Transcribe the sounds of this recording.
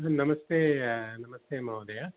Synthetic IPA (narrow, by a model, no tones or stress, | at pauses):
ɦnɐmɐst̪eːnɐmɐst̪eːmɐʋd̪ɐja